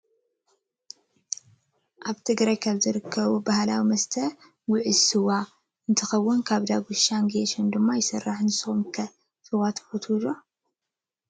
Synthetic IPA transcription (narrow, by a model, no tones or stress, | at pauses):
ʔaβt̪ʰɨɡɾajkʰaβzɨɾɨkʰːɐβubahla̰wimɐst̪ʰɐ | wʊʕɨsɨwa | ɨnt̪ʰɐxɐwːʊnkʰaβd̪aɡuʃaŋɡeʃɐnd̪ɨmːajɪsɐrːaħnɨsɨxumkʰɐ | sɨwat̪ʰfot̪ʰulo